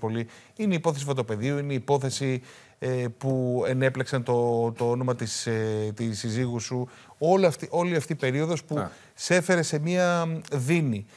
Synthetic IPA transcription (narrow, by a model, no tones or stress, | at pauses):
po̞li | ine̞ipo̞θes̬ifɐt̪ope̞ðiuineipo̞θe̞si | epue̞ne̞pleksɐnt̪ot̪o̞o̞no̞mɐt̪ist̪isiziɣusu | o̞lɐft̪iʔo̞liɐft̪iːpe̞ɾio̞ðospu | se̞fe̞ɾe̞se̞miɐðini